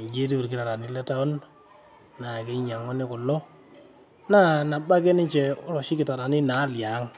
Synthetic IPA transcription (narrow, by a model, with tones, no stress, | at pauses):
d͡ʒe˦t̬i˦u˨ɾkɪ˨ta˨ɾa˨ni˦lɛ˦ta˦ɔ˦n | na˨ke˦ɲa˨ŋɔ˦nɪ˦kɔ˨lːɔ˦ | na˦na˨ba˦ke˦nɪ˦ɲt͡ʃɛ˨ʊ˦ɾɔ˨ʃi˦kɪ˨ta˨ɾa˨nɪ˦na˨˦˨lja˨˦ŋ